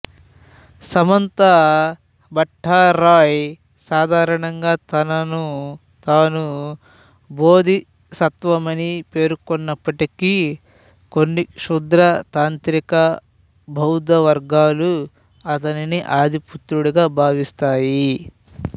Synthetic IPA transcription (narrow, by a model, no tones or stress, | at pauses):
sɐmɐnt̪ɐ | bɐʈʰːaːɾaːj | saːd̪ʱaːɾɐɳɐŋɡaːt̪ɐnɐnu | t̪aːnu | boːd̪ʱi | sɐt̪ʋɐmɐnipe̞ːɾkɔnːɐpːɐʈiki | konːiʃud̪ɾɐt̪aːnt̪ɾikɐ | bʱɐwd̪ɐʋɐɾɡaːlu | ɐt̪ɐniniʔaːd̪ʱiput̪ɾuɽuɡaːbʱaːʋist̪aːji